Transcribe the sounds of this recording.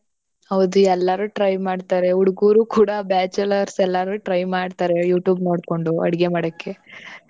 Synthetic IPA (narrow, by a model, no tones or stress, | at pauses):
hɐʋd̪uɛlːaːɾuʈɾɐjmaːɽt̪aːɾe̞uɽuɡuːɾuːkuːɽabaːt͡ʃɐlɐɾsɛlːaɾuʈɾɐjmaːɖt̪aːɾe̞juːʈjuːbnoːɽko̞ɳɖuɐ̰ɽiɡe̞maːɽokːe̞